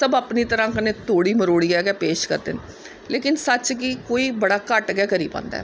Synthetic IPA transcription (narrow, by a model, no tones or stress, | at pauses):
səbapniːt̪əɾãːkənẽːt̪oːɽiːməɾoːɽiːɛːɡɛːpeːʃkəɾd̪ḛːn | leːkɪnsət͡ʃkiːkoːiːbəɽaːkəʈɡɛːkəɾḭːpã̰ːnd̪a̰ː